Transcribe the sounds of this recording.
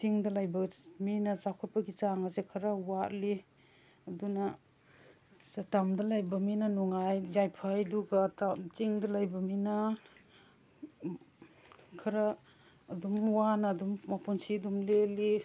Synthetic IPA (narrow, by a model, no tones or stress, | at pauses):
tiŋdalajbɐminazakʰɔt̚paɡit͡ʃaŋazekʰɐɾawali | ɐduna | satamdalajbaminanɔŋajzajpʰajduɡatat͡ʃiŋdalajbɐmina | kʰɐɾaː | dumwanadummapɔnsidumleli